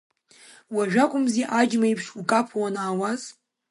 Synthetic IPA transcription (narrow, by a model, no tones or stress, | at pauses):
waʒᶣakʷʼʊmziʔad͡ʒmaipʰʂukʼapʰawanaːwaz